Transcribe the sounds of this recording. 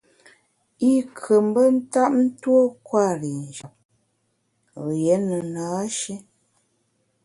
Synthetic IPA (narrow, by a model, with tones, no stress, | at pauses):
i˦kʰə˨m˦bə˦n̩˦ta˦p̚n̩˦two˦kwa˦˨ɾi˨n˨d͡ʒa˨p̚ | ɣje˨˦nə˨naː˨˦ʃe˦